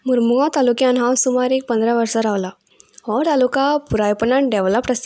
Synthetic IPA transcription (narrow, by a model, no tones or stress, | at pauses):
muɾmuɡat̪alukjãnɦãwsumaɾik̚pə̃nd̪ɾaʋəɾsaɾaʋla | hɔt̪alukapuɾajpənaɳʈ̚ɖeʋləpːɾəs